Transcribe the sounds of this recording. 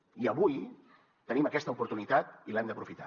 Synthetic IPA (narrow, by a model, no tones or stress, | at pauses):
iəβuj | t̪əniməkɛst̪əupuɾt̪unit̪at̪ilɛmd̪əpɾufit̪a̰